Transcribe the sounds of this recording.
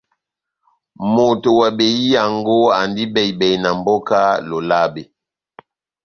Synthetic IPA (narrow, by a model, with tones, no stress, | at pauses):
mo˨to˨wa˨be˨ji˦ja˨ŋɡo˦a˨ndi˦bɛ˨i˨bɛ˨jna˨mbɔ˦ka˦lo˨la˦be˨